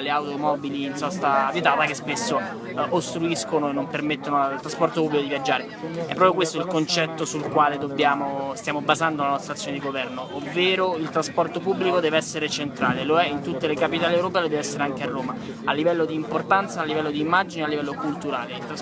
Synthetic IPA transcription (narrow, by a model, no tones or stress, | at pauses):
leawt̪omɔbiliːnsɔst̪aːbiet̪aːt̪akespesːo | ʔost̪ɾuiskonoenːompermet̪ːonolt̪ɾaspɔrt̪opubːlikod̪ivjad͡ʒːaːɾe | ɛpːɾɔpjokwest̪oilkont͡ʃɛt̪ːosulkwaːled̪objaːmost̪jaːmobazand̪olanɔst̪ɾat̪sːjoned̪iɡovɛrnoʔovːeːɾoilt̪ɾaspɔrt̪opubːlikod̪ɛːveɛsːeɾet͡ʃent̪ɾa̰ːleloɛint̪ut̪ːelekapit̪aːliɛwɾopɛːlod̪ɛːveɛsːeɾeaŋk̟earːoːma | alːivɛlːod̪iːmport̪ant̪saːlːivɛlːod̪iːmːad͡ʒinealːivɛlːokult̪uɾa̰ːleilt̪ɾa